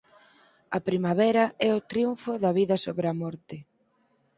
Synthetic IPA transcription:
ɐpɾimaβɛɾɐɛʊt̪ɾiuɱfʊðɐβiðɐsoβɾeɐmɔɾt̪ɪ

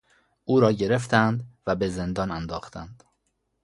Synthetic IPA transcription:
ʔuːɾɒːɟe̞ɾe̞ft̪ʰænd̪væbe̞ze̞nd̪ɒːnænd̪ɒːxt̪ʰænd̪̥

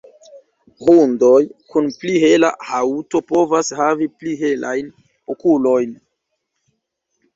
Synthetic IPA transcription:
hundo̞jkunpliɦe̞la̰hauto̞po̞vashavipliɦe̞lʔajn | okulo̞jn

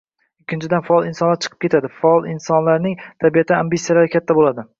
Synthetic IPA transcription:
ʊkʲʰːɪnt͡ʃʰɪd̪anfaɒlˠɪnsɒnlaɾt͡ʃʰɨ̥qʰɨ̥p̚kʲe̞t̪ʰad̪ɪfaɒlˠɪnsɒnlaɾnɪŋt̪ʰabijat̪ʰambit̪sijalaɾɪkʲʰat̪ʰːabolad̪ɪ

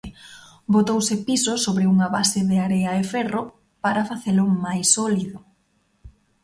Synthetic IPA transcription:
bot̪owsɪpisosoβɾeuŋɐβasɪðɪaɾeɐefɛro | paɾafaθelʊmajsːɔliðʊ

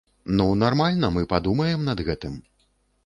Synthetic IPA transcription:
nunarmalʲnɐmɨpad̪umɐjɛmnɐd̪ɣɛt̪ɨm

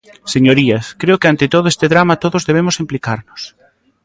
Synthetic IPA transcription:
seɲoɾiɐskɾeʊkeant̪ɪt̪oðʊest̪eðɾamat̪oðʊzðeβ̞emʊsimplikaɾnʊs

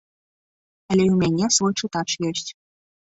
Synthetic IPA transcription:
ɐlʲɛwmʲanʲɛsvɔjt͡ʂɨt̪at͡ʂjɔsʲt͡sʲ

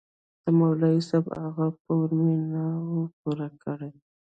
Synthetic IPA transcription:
d̪̥əmawlaisabaɣap̚əminawop̚uɾakʰəɽe

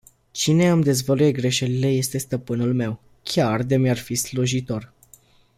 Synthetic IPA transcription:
t͡ʃine̞amd̪e̞zvəlujeɡɾe̞ʃe̞lile̞je̞st̪e̞st̪əpɨnulme̞w | kʲard̪emjarfisluʒit̪o̞r

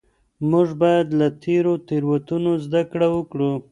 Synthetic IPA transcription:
muʐbajad̪lat̪ʰeɾot̪eɾwat̪unozd̪akɽawəkɽu

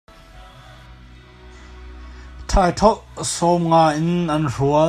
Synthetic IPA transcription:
t̪ʰaːjt̪ʰɔʔsɔmŋaːjʔɪnʔɐnruə

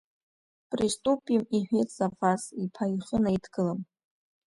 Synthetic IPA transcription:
pʼristʼupʼimiħᶣetʼz̥afasipʰajχənaejtʰɡɨlam

